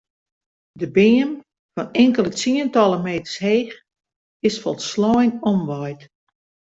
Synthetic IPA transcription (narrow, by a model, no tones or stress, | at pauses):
dəbɪːəm | fɔnɪŋkəlˠət͡siəntɔlˠəmeːtə̥rsheːx | ɪsfɔlˠtslɔjnɔmʋɔjt